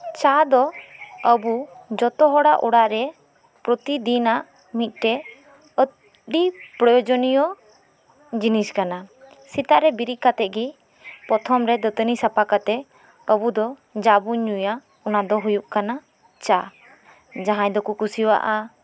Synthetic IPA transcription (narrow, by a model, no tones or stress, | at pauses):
t͡ʃad̪ɔəbud͡ʒɔt̪ɔɦɔɽaʔɔɽaʔɾɛ | pɾɔt̪id̪inaʔ | mit̪̚ˀʈɛ | ə | ɖipɾɔjɔd͡ʒɔnijɔ | d͡ʒiniskana | sit̪aʔɾɛbiɾiʔkat̪ɛt̪̚ɡi | pɔt̪ʰɔmɾɛd̪ət̪ənisapakat̪ɛ | əbud̪ɔ | d͡ʒabuɲuja | ɔnad̪ɔɦujuʔkana | t͡ʃa | d͡ʒaɦãjd̪ɔkukusiwa̰ʔa